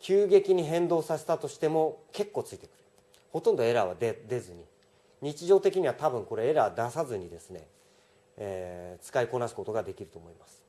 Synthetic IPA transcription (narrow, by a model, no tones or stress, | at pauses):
kʲɨːɡe̞kʲiɲ̟iɦẽ̞nd̪o̞ːsaset̪at̪o̞ɕi̥t̪e̞mo̞ke̞kːo̞ːt͡sɨit̪e̞̥kɯ̟̥ɾɯ | ho̞t̪õ̞nd̪o̞e̞ɾaβ̞a̰d̪ed̪e̞zɨɲ̟i | ɲ̟it͡ɕiʑo̞ːt̪e̞kʲiɲ̟iβat̪abɯ̟̃ŋko̞ɾe̞eɾaβd̪asazɨɲ̟id̪e̞sɨne̞̰ | et͡sɨ̥kaiko̞nasɨ̥ko̞t̪o̞ɡad̪e̞kʲiɾɯ̟t̪o̞ːmo̞imasɨ̥